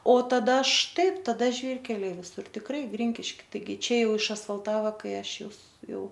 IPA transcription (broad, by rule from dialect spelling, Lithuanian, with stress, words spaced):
oː tɐˈdɐ ˈʃtɐɪp tɐˈdɐ ˈʒʲʋʲiːrʲkʲɛlʲɛɪ ʋʲɪˈsʊr tʲɪkˈrɐɪ ˈɡrʲiːŋʲkʲɪʃʲkʲɪ tɐɪˈɡʲɪ ˈt͡ʃʲɛ ˈjɛʊ ɪʃɐsfɐlˠˈtɑːʋɐ ˈkɐɪ ˈɐʃ ˈjʊs ˈjɛʊ